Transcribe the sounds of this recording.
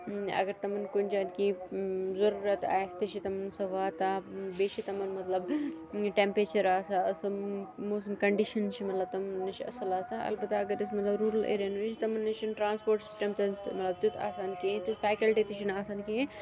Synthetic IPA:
ɐ̰ɡɐɾt̪ɐmɐnkʊnt͡ʃaːnkizɐɾuːɾɐt̪a̰ːest̪iʃʰit̪ɐmɐnsɐʋaːt̪abeːʃʰit̪ɐmɐnmɐt̪lɐbʈempɾeːt͡ʃɐɾaːsaɐsɐmoːs̬ɐnkɐɳɖiʃɐnt͡ʃʰimɐt̪lɐb̚t̪ɐmɐnːɐt͡ʃʰiɐ̰sɐlaːsaʔɐ̰lbɐt̪ːaɐɡɐɾɪs̬mɐt̪lɐbɾuːɾəlḛːɾenʋet͡ʃit̪ɐmɐnːɐt͡ʃʰɐnʈɾãːnspoːɾʈsɪ̥sʈɐmt̪ɐmɐt̪lɐb̚t̪ut̪ʰa̰ːsaːnkẽːt̪isfaːkɐlʈit̪it͡ʃʰinaːsaːnkẽ

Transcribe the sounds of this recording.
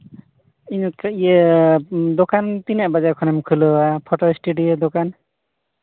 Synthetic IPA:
inkaʔijə | d̪ɔkant̪inɛʔbad͡ʒakʰɔnɛmkʰɯlɔapʰɔʈɔisʈeɖied̪ɔkan

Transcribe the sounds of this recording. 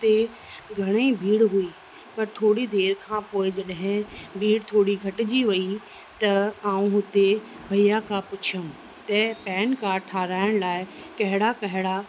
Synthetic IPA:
t̪e | ɡʱɐɽ̃eibʱiːɽɦui | pɐɾt̪ʰoːɽid̪eːɾkʰãpoːɪd͡ʑɐɗɦɪ̃bʱiːɽt̪ʰoːɽiɡʱɐʈɪd͡ʑiʋɐi | t̪ɐãːũɦʊt̪e | bʱɐjakʰãpʊt͡ɕʰiə̃ | t̪ɐpɛːnkaːʈʰaːɾaːɪɽ̃laːɪkɐɦɪɽakɐɦɪɽa

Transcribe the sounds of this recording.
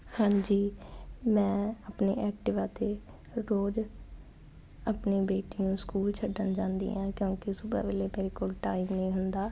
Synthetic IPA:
hãːɲd͡ʒiːmɛ̃ːəpnḛːʔɛːk̚ʈɪʋaːt̪eː | ɾoːd͡ʒ | apneːbeːʈiːũːskuːlt͡ʃʰəɖənd͡ʒãːnd̪ḭːãːkjõːkɪsʊba̰ːʋeːleːmeːɾeːkoːlʈaːimnəĩːɦʊnd̪aː

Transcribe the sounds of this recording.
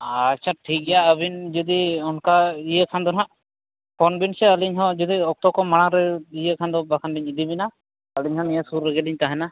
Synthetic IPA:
at͡ʃʰaʈʰik̚ɛjaəbind͡ʒɔd̪iɔnkaijəkʰand̪ɔnɦaʔ | pʰɔnbinsɛəliɲɦɔ̃d͡ʒɔd̪iɔk̚t̪ɔkɔmaɽ̃aɾɛijəkʰand̪ɔbakʰanɖiɲid̪ibina | əliɲɦɔ̃nijasuɾːɛɡɛliɲt̪aɦɛna

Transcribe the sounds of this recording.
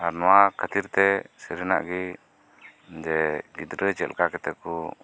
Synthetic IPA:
aɾnɔwakʰət̪iɾt̪ɛsəɾina̰ʔɡi | d͡ʒɛɡid̪ɾət͡ʃɛlkakɛt̪ɛku

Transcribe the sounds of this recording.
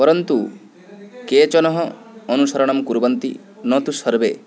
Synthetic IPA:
pɔɾɔnt̪u | ket͡ʃɔnɔɦɔː | nusɔɾɔɽ̃amkuɾbɔnt̪ḭ | nɔt̪usɔɾbe

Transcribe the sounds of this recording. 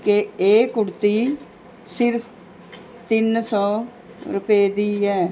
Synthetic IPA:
keeːkʊɽt̪iː | sɪɾpʰ | t̪ɪnsɔː | ɾʊpeːd̪iːɛː

